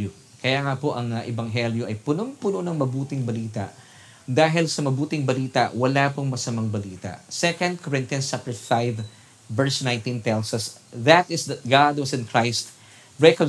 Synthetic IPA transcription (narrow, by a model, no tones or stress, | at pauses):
kɐjaːŋɐpoʔɐŋɐʔɛbɐŋɦɛljoʔɐjpʊnoŋpʊnonɐŋmɐbuːt̪ɪŋbɐliːt̪a̰ʔ | d̪aːɦɪlsɐmɐbuːt̪ɪŋbɐliːt̪ɐ̰ʔwɐlapoŋmɐsɐmaŋbɐliːt̪a̰ʔsɛkɐ̃nd̪̚kʰɔɹɪ̃nt̪jɐnst͡ʃap̚t̪ɛ˞fajvː | ɛɹsnãjnt̪ĩnt̪ɛlsɐsðɐt̪ɪsd̪ɐt̪̚ɡad̪wɐsɪ̃nkʰɹajst̪ | ɹɛko